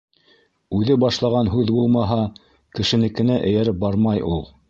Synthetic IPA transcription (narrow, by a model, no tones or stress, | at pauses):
ʉðɘbɑʃlˠɑʁɑnɦʉðbulˠmɑɦɑ | kɘ̆ʃɘ̆nɘ̆kɘ̆næʔɘ̆jæɾɘp̚bɑɾmɑjulˠ